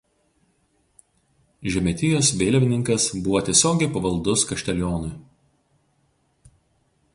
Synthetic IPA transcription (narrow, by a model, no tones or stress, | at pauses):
ʒʲɛmʲɛt̪ʲɪjoːsʋʲeːlʲʋʲɪnʲɪŋkɐsbʊʋoːt̪ʲiɛsʲoːɡʲeɪpɐʋɐlˠˑd̪ʊskɐʃʲt̪ʲɛlʲjoːnʊɪ